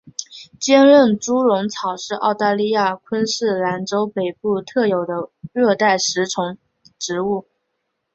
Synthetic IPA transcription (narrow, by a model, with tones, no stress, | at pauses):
t͡ɕjɛ˥nɻə˥˩nʈ͡ʂu˥ɻʊ˧˥ŋt͡sʰɑ˨˩ʊʂɻ̩˥˧ʔɑ̰˥˧ʊt̪a˥˧li˥˧ja˥˩kʰwə˥nʂɻ̩˥˩la˧˥nʈ͡ʂo˥ʊpe˨˩ɪpu˥˧t̪ʰɤ˥˩jo˨˩ʊd̪ə˦ɻɤ˥˧t̪a˥˩ɪʂɻ̩˧˥ʈ͡ʂʰʊ˧˥ŋ | ʈ͡ʂɻ̩˧˥u˥˩